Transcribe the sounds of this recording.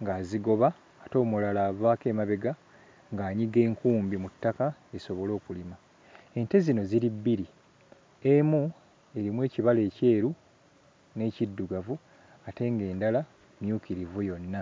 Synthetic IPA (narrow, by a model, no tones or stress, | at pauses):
ŋɡaːziɡo̞βaː | to̞ːmulalaːβaːke̞ːmaβeɡa | ŋɡaːɲiɡe̞ːŋkuːmbimutːaka | e̞so̞βo̞lo̞ːkulima | e̞nte̞zino̞ziɾibːiɾi | e̞mu | e̞ɾimwe̞ːciβale̞ːce̞ːɾu | ne̞ːcidːuɡavu | ate̞ːŋɡe̞ːndala | mjuːkiɾivujo̞nːa